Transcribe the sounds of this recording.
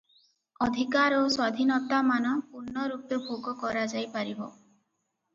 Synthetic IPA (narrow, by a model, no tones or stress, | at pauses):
ɔd̪ʱikaɾoswad̪ʱinɔt̪amanɔpuɾnːɔɾupjɔbʱoɡɔkɔɾad͡ʒajpaɾiɦo